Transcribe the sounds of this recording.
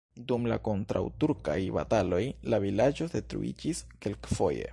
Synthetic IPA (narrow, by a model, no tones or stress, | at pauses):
dumla̰ko̞ntɾa̰wtuɾka̰jba̰talo̞jlavilad͡ʒo̞de̞tɾṵʔḭd͡ʒiske̞lkfo̞̰je̞̰